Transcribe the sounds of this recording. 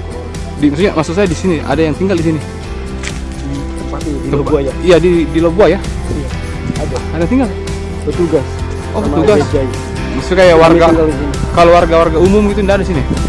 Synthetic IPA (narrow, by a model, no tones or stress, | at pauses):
dimaks̬uɲamasuksaadisiniʔa̰dajaŋt̪iŋɡaldis̬ini | t̪əpat̪idit̪əpajaijadidilobuaja | a | adaadat̪iŋɡal | pət̪uɡas | ʔɔpəuɡad͡ʒai | mastukajawarɡaŋɡalisinikalowarɡawarɡaumʊmɡit̪undaːdadis̬ini